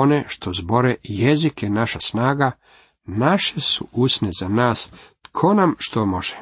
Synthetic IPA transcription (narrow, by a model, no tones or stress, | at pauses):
oneʃt̪ozbo̞ɾejezikenaʃasnaːɡa | naʃesuusnezanaːst̪kʰo̞namʃt̪omo̞ʒ̥e